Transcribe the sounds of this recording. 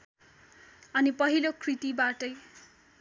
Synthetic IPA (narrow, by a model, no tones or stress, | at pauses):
ʌnipʌɦilokʰrit̪ibaʈʌj